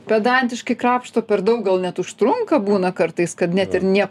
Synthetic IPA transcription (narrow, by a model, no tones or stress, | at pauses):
pʲɛd̪ɐnʲt̪ʲɪʃkɐɪkɾɑːpʃt̪oːpʲɛɾd̪ɐʊk̚ɡɐlˠnʲɛt̪ʊʃt̪ɾʊŋkɐbuːnɐkɐrt̪ɐɪskɐt̪nʲɛt̪ɪɾnʲiɛ